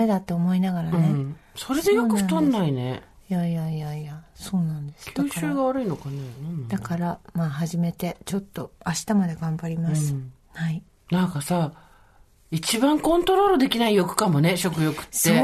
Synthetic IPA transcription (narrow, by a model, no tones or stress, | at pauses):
ed̪at̪ːoːmo̞inaɡaɾanẽso̞ɾe̞d̪ejokɯ̟ɸt̪õnːainejaijaiaijaso̞ːnãnd̪e̞sɨ̥kj̪ɨːɕɨːɡaβaɾɯ̟ino̞kanenãnd̪̥akaɾamaɦaʑime̞t̪e̞t͡ɕo̞t̪ːo̞aɕi̥t̪amad̪e̞ɡãmbaɾʲimasɨ | hai | nãŋkasa | it͡ɕibãŋkõ̞nt̪o̞ɾo̞ːɾɯd̪e̞kʲinaijo̞kɯ̟̥kamo̞ne̞ɕo̞kɯ̟jo̞kɯ̥t̪ːe